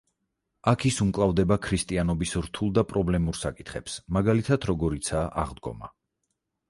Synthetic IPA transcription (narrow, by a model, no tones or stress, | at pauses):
akʰisumkʼlˠavd̪ɛbakʰɾist̪ʼianɔbisɾt̪ʰulˠd̪apʼɾɔblɛmuɾsakʼit̪ʰχɛpsmaɡalit̪ʰad̪ɾɔɡɔɾit̪sʰaːʔa̰ʁd̪ɡɔ̰ma̰